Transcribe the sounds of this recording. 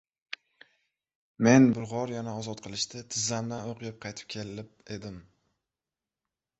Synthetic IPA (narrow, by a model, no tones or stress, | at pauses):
me̞nbʊlʁɒɾjanaɒzɒt̪̚qʰɨlˠɪʃt̪ɪt̪ʰɪzːand̪anoqʰɨjɪp̚qʰɑjt̪ʰɪ̥p̚kʲʰe̞lɪɪp̚e̞d̪ɪm